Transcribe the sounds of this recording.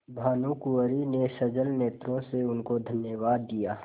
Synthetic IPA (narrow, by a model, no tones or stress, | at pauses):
bʱaːnukuəɾinesəd͡ʒəlneːt̪ɾõseʊnkod̪ʱənjəʋaːd̪ːijaː